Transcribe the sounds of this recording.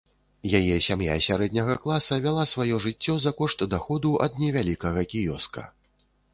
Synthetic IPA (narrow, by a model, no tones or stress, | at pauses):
jajɛsʲamja̰sʲaɾɛd̪ʲnʲɐɣɐklˠasɐvʲalˠasvajɔʐɨt͡sʲːɔzɐkɔʂt̪d̪axɔd̪uʔɐ̰d̪̚nʲɛvʲalʲikɐɣɐkʲijɔskɐ̰